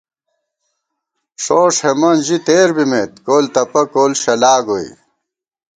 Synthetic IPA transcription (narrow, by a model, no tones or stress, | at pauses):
ʂoːʂhemɐnʑit̪eːɾbimeːt̪̚koːlt̪ɐpɐkoːlɕɐlaːɡoḭ